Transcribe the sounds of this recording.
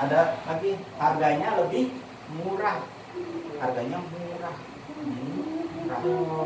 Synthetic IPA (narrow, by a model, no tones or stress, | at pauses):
adanakiharɡaɲaləbɪh | muɾah | harɡaɲamuɾah̩ | muɾa̰